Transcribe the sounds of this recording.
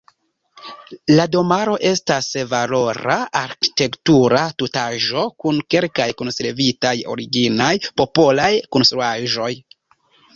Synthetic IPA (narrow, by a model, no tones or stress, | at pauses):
lado̞maɾo̞ʔe̞stasvalo̞ɾaaɾki̥te̞ktuɾatutaʒo̞kunke̞lkajkonseɾvitajo̞̰ɾiɡinajpo̞po̞lajkonstɾuaʒo̞j